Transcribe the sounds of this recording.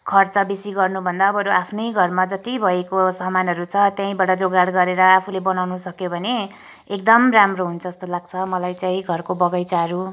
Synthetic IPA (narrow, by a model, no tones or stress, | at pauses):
kʰʌrt͡sʌbisiɡʌrnubʱʌnd̪aːbʌɾuapʰnʌjɡʱʌrmad͡zʌt̪ibʱʌekosʌɦmanɦʌɾut͡sʰʌt̪jãĩbaɽʌd͡zoɡaɽɡʌɾeɾʌapʰulebʌnawnusʌkjobʱʌne | ekd̪ʌmramroɦunt͡sʰʌest̪olaɡ̚t͡sʰʌmʌlajt͡saĩɡʱʌrkobʌɡʌjt͡saɾu